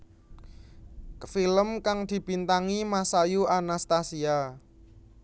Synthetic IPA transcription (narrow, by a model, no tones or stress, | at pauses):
filəmkaŋd̪̥i̤bint̪aŋimasajuanast̪asia